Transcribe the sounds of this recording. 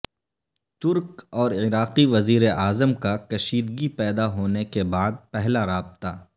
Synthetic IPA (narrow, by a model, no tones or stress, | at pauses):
t̪ʊɾkɔːɾɪɾaːqiʋɐziːɾeʔaːzəmkakɐʃiːd̪ɡipɛːd̪aɦoːnekebaːd̪̚pɛɦlaɾaːb̚t̪aː